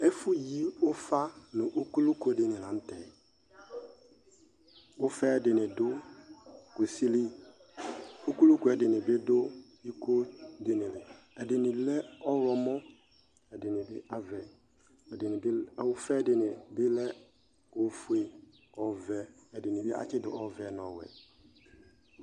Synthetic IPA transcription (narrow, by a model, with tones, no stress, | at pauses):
ɛ˦fʊ˦ji˦ʊ˦fa˦nʊ̃˨ʔo˦ku˦lu˦ko˨˦dɪ˨nɪ˨lã˨m̩˦tɛ˨ | ʊ˦fɛ˦dɪ˨nɪ̃˨dʊ˦ | ku˨si˦li˦ | o˦ku˦lu˦ku˨˦ɛ˨dɪ˨nɪ̃˨bɪ˦dʊ˦ | i˦ko˦dɪ˨nɪ̃˨lɪ˨ | ɛ˨dɪ˨nɪ̃˨˦lɛ˦ɔ˦ɾɔ˨mɔ˦ | ɛ˨dɪ˨nɪ̃˨bɪ˦ʔa˦vɛ˨ | dɪ˨nɪ˨˦˨wʊ˦fɛ˦dɪ˨nɪ˨bɪ˦lɛ˦ | ʊ˨˦fu˦e˦ | ɔ˦vɛ˦ | ɛ˨dɪ˨nɪ̃˨bɪ˦a̰˦t͡ʃɪ˦dʊ˨ʔɔ˦vɛ˦nɔ̃˨wɛ̰˨